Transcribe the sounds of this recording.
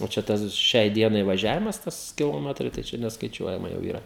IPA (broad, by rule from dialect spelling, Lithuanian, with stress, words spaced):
oː t͡ʃʲɛ ˈtɐs ˈʃʲɛɪ ˈdʲiɛnɐɪ ʋɐˈʒʲæːʋʲɪmɐs ˈtɐs kʲɪlˠoːˈmʲæːtrɐɪ tɐɪ ˈt͡ʃʲɛ nʲɛskɐˈɪt͡ʃʲuɔjɛmɐ jɛʊ iːˈrɐ